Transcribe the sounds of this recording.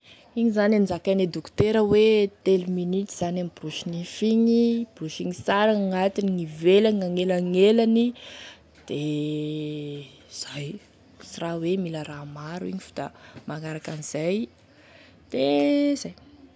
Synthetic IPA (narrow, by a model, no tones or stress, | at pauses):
iɲizanamizakaned̪ukt̪eɾəwet̪eluminitiz̥anamibruʃinifiɲib̥ɾuʃiŋisaɾaŋat̪iniŋivelaaŋelaŋelani | d̪̥e | z̥aj | sirawemiləɾamaɾuḭɲifu̥d̪a̰maŋaɾakaniz̥aj | d̪̥ezaj